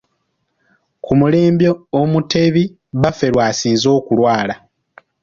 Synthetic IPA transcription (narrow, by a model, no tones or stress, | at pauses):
kʰumule̞ːmbjoːmute̞βi | βafe̞ɾwaːsiːnzo̞ːkulwaːla